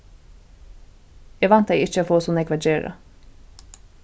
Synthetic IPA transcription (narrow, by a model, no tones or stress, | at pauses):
ɛːʋɑnt̪d̪eɪɪt͡ʃəoːfoːsuːnɛɡʋæd͡ʒeːɾə̰